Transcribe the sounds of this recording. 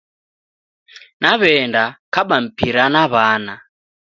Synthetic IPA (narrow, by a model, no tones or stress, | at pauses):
naβɛndakaɓam̩piɾanaβana